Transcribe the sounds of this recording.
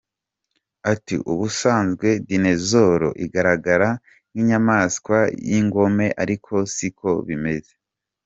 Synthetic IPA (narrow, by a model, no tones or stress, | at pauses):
atḭʔuβusaːnzɡwe̞dine̞zo̞ɾo̞̰ʔiɡaɾaɡaɾa | n̥iːɲamaːskwajiŋɡo̞me̞ʔaɾikʰo̞sikʰo̞βime̞ze